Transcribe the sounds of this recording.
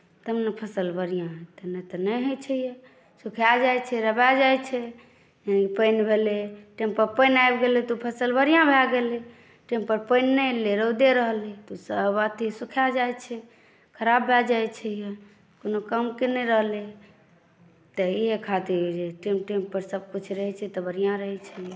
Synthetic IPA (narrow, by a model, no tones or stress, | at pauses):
t̪əmnepʰəsəlbəɾijãɦt̪ənet̪ɔnəɦet͡ʃʰɛije | sukʰjad͡ʒajt͡ʃʰɛɾəbad͡ʒajt͡ʃʰɛ | janipəɪnbʱeleʈempəɾpəjnajbɡelet̪opʰəsəlbəɾijãbʱɛɡele | ʈẽmpəɾpəɪnːəleɾəd̪eɾəɦlet̪osəbat̪ʰisukʰjad͡ʒajt͡ʃʰɛ | kʰəɾabːad͡ʒajt͡ʃʰɛje | konokəmkenɛɾəɦle | t̪əiɦekʰat̪iɾd͡ʒeʈemʈempəɾsəb̚kut͡ʃʰɾəɦɛt͡ʃʰɛt̪ɔbəɾijãɾəɦɛt͡ʃʰəje